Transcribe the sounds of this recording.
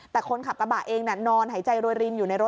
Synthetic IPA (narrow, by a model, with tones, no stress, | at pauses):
t̪ɛː˨˩kʰo˧nkʰa˨˩p̚ka˧baː˨˩ʔeː˧ŋna˧˩nɔː˧nɦa˨˩˦jt͡ɕa˧jɾoː˧jɾi˧njuː˨˩na˧jɾo˦˥